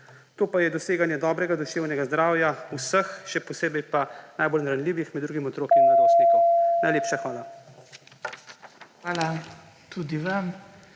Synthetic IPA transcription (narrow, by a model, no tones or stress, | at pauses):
t̪oːpajɛd̪ɔseːɡanjɛd̪ɔːbɾɛɡad̪ɔʃeːwnʲɛɡazd̪ɾaːwjausəxʃɛpɔseːbɛjpanajbolnaɾanliːʋixmɛd̪d̪ɾuːɡimɔt̪ɾoːkinnaɡowspeːkkunajleːpʃaxʋaːla | xʋaːla | t̪ud̪iʋam